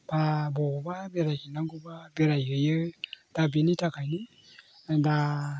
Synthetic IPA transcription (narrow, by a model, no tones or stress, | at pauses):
b̥abɔbabeɾajkinaɡɔbabeɾajɯjɯd̥abinitʰakʰajni | da